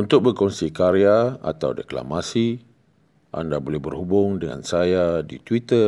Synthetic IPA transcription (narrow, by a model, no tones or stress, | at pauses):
unt̪ʊk̚bərkɔnsikaɾiaa̰t̪awdekla̰masi | ʔa̰ndabolɛhbərhubʊŋdəŋa̰nsajadit̪wit̪ə